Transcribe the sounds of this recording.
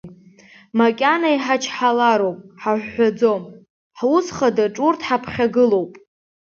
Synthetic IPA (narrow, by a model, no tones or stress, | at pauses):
makʲʼanaiħat͡ʃʰħalaɾowpʼħaħʷːad͡zo̞m | ħwusχadaʈ͡ʂʼurtʰħapʰχʲaɡɨlo̞wpʼ